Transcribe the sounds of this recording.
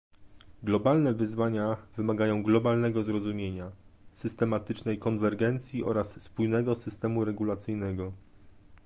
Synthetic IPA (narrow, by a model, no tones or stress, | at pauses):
ɡlɔbalnɛvɘzvaɲavɘmaɡajɔ̃w̃ɡlɔbalnɛɡɔzɾɔzumʲjeɲasɘst̪ɛmat̪ɘt͡ʂnɛjkɔnvɛɾɡɛnt̪sʲjiʔɔ̰ɾasːpujnɛɡɔsɘst̪ɛmuɾɛɡulat̪sɘjnɛɡɔ